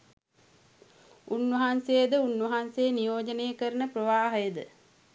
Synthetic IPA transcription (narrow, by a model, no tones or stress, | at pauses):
unʋəɦansejed̪əunʋɐɦansejːnijoːd͡ʒəneːkəɾənəprəʋaːɦəjəd̪ə